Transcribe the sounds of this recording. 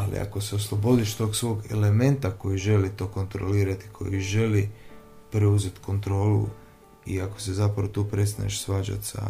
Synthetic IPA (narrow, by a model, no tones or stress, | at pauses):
alḭa̰ko̞se̞o̞slˠobo̞d̪iʃt̪o̞ːɡsʋo̞ːɡe̞̰le̞mẽ̞nt̪ako̞jiʒe̞lit̪o̞ːko̞nt̪ɾo̰liːɾat̪i̥kʰo̞̰jiʒe̞li | pɾeuze̞t̪ko̞nt̪ɾo̞ːlṵ | iako̞̥se̞zapɾaʋot̪uːpɾe̞st̪aneʃsʋaːd͡ʒa̰t̪sa̰